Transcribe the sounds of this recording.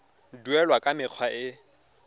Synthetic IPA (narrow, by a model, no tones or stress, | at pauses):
duɛlwakʼamɪq͡χʰwaɪ